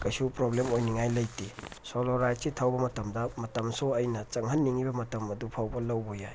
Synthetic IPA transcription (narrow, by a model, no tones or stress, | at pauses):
kɐjsupɾoblemojniŋajlɐjtisoloɾajsitʰawbɐmɐtɐmdɐmɐtɐmsoɐjnɐt͡ʃɐŋɦɐnːiŋibɐmɐtɐmɐdupʰawbɐlɐwbojaj